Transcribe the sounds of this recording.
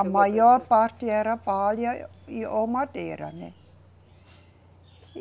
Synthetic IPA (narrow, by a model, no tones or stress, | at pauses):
mɑjopɑt̪ieɾɑpɑljo | omɑt̪ḛːɾɑ̰nḛ